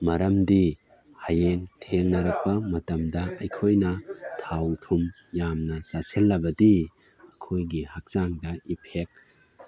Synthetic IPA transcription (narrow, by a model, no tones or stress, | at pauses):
mɐɾɐmdi | hajentʰeŋnɐɾɐk̚pɐmɐtɐmdɐɐjkʰojnɐtʰawtʰum | jamnɐsasilːɐbɐdi | ɐkʰojɡihak̚saŋdɐipʰek̚